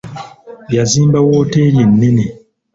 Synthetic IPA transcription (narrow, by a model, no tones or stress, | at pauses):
bjazĩmbawoteːlinːĩni